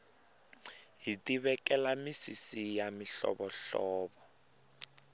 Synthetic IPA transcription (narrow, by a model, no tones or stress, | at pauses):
ɦitʼiβɛkɛlamisisijamiɬɔ̰ɓɔɬɔːɓɔ